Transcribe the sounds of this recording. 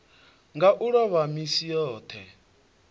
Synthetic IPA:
ŋɡaʔuɺɔβamisijɔːt̪ʰɛ

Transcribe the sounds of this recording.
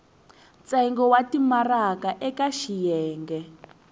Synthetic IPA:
t͡saiŋɡɔwatimarakaʔɛkaʃijɛːŋɡɛ

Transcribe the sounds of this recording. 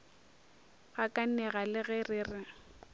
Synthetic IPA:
ɣakʼan̩nɛɣalɪɣɛrɪrɪ

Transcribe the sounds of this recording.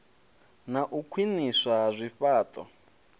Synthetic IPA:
naʔukʰwiniswazʷiɸaːtʼɔ̰

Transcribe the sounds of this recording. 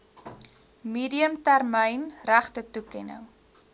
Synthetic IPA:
miːdiəmtærməjnræχtətukɛnə̰ŋ

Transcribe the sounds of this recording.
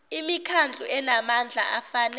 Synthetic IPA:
imikʰand͡ɮʱṵʔɛnamand͡ɮʱa̰ʔafan

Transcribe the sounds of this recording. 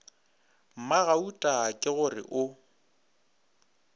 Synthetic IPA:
m̩maɣautʼakʼɪɣʊrɪ̰ʔʊ

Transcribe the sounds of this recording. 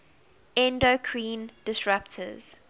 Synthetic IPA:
ɛ̃ndokʰɹĩːndɪsɹaptʰə̰z̥

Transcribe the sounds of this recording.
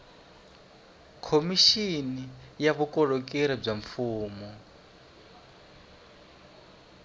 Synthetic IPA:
kʰomiʃinijaβukɔɺɔkɛɾab͡ʐaɱfuːmɔ

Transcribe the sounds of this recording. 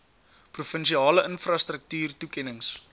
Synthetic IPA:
prufənʃiɑːləʔənfrɐstrək̚tyːrtukɛnəŋs

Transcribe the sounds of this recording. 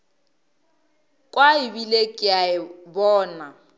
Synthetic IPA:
kʼwaɪbilekʼɪaɪbɔːna

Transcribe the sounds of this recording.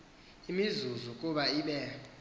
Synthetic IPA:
imizuzukʼuɓaiɓɛ

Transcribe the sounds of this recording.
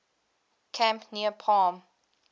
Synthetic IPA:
kʰæ̃mpniəpʰaːm

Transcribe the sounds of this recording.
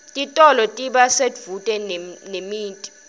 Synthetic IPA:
tʼitʼɔlɔtʼiɓasetvutʼɛnnemiːntʼi̥

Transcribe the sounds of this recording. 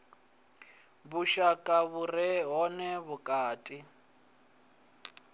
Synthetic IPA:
βuʃakʼaβurɛɦɔnɛβukʼaːtʼi

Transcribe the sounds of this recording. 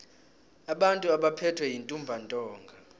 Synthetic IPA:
aɓantʼuaɓapʰɛtʰwɛjintʼumbʱantʼɔːŋɡʱa

